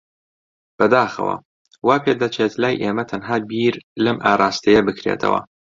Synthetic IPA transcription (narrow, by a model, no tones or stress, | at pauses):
b̥ɐd̪aːxɐ̰wɐ̰ | waːkɨd̪ɐt͡ʃʰeːt̪laːjʔeːmɐt̪ʰɐnɦaːbiːɾlɐmʔaːɾˤaːst̪ɐjɐbɨkɾḛt̪ʰɐ̰wɐ̰